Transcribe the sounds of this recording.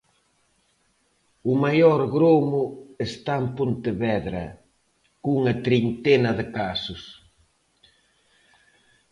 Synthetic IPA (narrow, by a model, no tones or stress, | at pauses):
ʊmajɔɾɣɾomʊest̪aempont̪ɪβɛðɾɐ̰ | kuŋɐt̪ɾint̪enɐðɪkasʊs